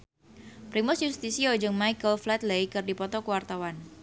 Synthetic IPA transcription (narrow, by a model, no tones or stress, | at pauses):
pɾimʊsjust̪isiod͡ʒʊŋmajkəlflɛt̪lejkɨrdipɔt̪ɔkəwart̪awan